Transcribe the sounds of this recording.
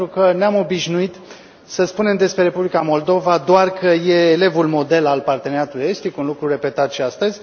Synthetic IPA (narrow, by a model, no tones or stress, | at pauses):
t̪ɾukəneamo̞biʃnuit̪ | səspune̞md̪e̞spɾe̞ɾe̞publikamo̞ld̪o̞vad̪oarkəje̞ːle̞vulmo̞d̪e̞lalpart̪e̞neɾʲjat̪ulujest̪ikunlukɾure̞pe̞t̪at̪ʃiast̪əzʲ